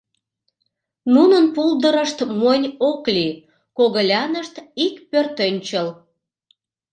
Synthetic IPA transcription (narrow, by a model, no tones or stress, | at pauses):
nunənpuld̪əɾəʃt̪monʲokli | koɣəlʲɑnəʃt̪ikpørt̪ønʲt͡ɕəl